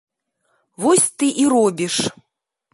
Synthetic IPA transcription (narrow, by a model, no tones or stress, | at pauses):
vɔsʲt̪ɨʔiɾɔbʲiʂ